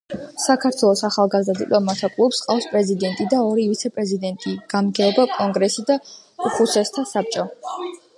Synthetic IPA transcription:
sakʰaɾt̪ʰwɛlˠɔsaχalˠɡazd̪ad̪it̪ʼɔmat̪ʰakʼlˠupsqʼafspʼɾɛzid̪ɛnt̪ʼid̪aɔɾivit̪sʰɛpʼɾɛzid̪ɛnt̪ʼiɡ̥amɡɛɔbakʼɔŋɡɾɛsid̪a | uχusɛst̪ʰasap̚t͡ʃʼɔ

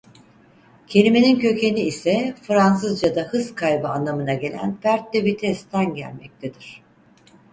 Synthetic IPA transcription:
cʰe̞lʲime̞nincʰø̞cʰe̞niːsɛfɯɾansɯzd͡ʒad̪ahɯskʰajbɯanlːˠamɯnaɟe̞lʲæ̰npæɾt̪̚d̪ebit̪ʰɛst̪ʰænɟæ̰lʲmɛ̰c̚t̪ʰed̪iɾ̝̥

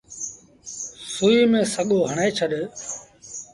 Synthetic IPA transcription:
suːiːmẽːsəɠoːɦəɳeːt͡ʃʰəɗ

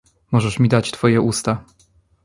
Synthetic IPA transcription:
mɔʐɛʂmʲid̪at͡ɕt̪fɔjɛʔust̪a

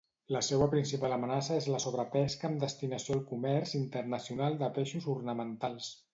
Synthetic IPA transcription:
ləsewəpɾinsipaləmənasəezləsoβ̞ɾəpɛskəːmd̪əst̪inəsioalˠkumɛɾzint̪əɾnəsiunalˠd̪əpeʃuzurnəmənt̪alˠs

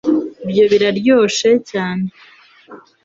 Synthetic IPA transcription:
bjoβiɾaɾɟo̞ːʃecaːne

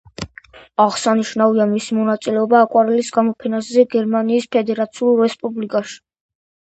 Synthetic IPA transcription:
aʁsaniʃnaviamisimɔnat̪sʼilɛɔbaːkʼwaɾɛlisɡamɔpʰɛnaszɛɡɛɾmaniːspʰɛd̪ɛɾat̪sʰiulˠɾɛspʼublikʼaʃi̥

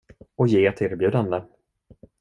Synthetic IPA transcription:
ɔjeːɛt̪ʰeːɾbjʉ̟ːd̪and̪ə

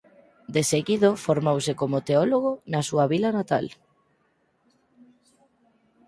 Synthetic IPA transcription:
d̪eseɣiðofoɾmowsekomot̪eɔloɣonasuaβilanat̪a̰l

